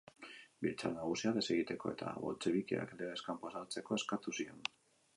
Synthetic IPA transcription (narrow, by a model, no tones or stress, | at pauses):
bilt͡sanaɣ̞usiaðe̞se̞ɣit̪e̞ko̞e̞̰t̪ʰa̰βo̞̰lt͡seβikea̰kleɾeskampasat͡se̞ko̞e̞skat̪usio̞n